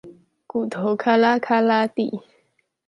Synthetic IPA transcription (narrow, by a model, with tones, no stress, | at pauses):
ku˨t̪ʰo˨kʰa˦la˦kʰa˦la˦t̪ḭ˦˨ʔ